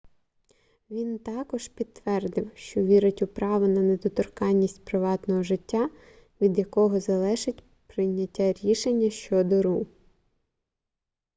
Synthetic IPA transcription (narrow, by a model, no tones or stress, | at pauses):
ʋʲint̪ɑkɔʒpʲit̪ːʋɛrd̪ɪwʃt͡ʃɔʋʲiɾɪtʲʊpɾɑʋʊnɐned̪ɔt̪ɔrkɑnʲːisʲtʲpɾɪʋɑt̪nɔɦɔʒɪtʲːa | ʋʲid̪jɐkɔɦɔzɐlˠɛʒɪtʲ | pɾɪjnʲːɐtʲːaɾʲiʃenʲːɐʃt͡ʃɔd̪ɔɾu